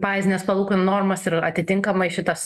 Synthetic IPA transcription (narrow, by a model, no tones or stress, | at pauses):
pɑːɪzʲɪnʲeːspɐlˠuːkonnoːrmɐsɪɾɐt̪ʲɪt̪ʲɪŋkɐmɐɪʃʲɪt̪ɐs